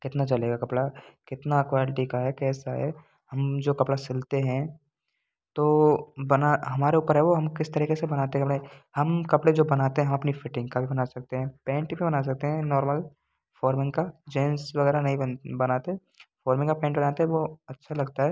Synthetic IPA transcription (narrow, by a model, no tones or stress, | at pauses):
kɪt̪nat͡ʃɐleːɡakɐpɽakɪt̪nakʋaːlɪʈikaɦɛkɛːsaɦɛ̰ː | ɦɐmd͡ʒoːkɐpɽasɪlt̪eɦɛ̃ | t̪oːbɐnaɦɐmaːɾeuːpəɾɦɛʋoɦɐmkɪst̪ɐɾiːkesebɐnaːt̪eɛ̃kɐpɽeɛ̃hɐmkɐpɽed͡ʒoːbɐnaːt̪eɦɛ̃ɦɐmɐpnifɪʈɪ̃ŋɡkabʱibɐnaːsɐk̚t̪eɦɛ̃pɛ̃ːɳʈbʱibɐnas̬ɐk̚t̪eɦɛ̃nɔːɾməl | fɔːɾmɪ̃ŋɡkad͡ʒɛ̃ːnsʋɐɣɛːɾanɐɦĩbɐnaːt̪eɦɛ | fɔːɾmɪ̃ŋɡkapɛ̃ːɳʈbɐnaːt̪eɦɛ̃ʋoɐtːʃʰalɐɡt̪aɦɛː